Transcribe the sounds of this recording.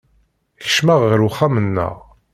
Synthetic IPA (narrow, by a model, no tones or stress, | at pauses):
çə̥ʃmaʁʁəɾuχæmənːə̰ʁ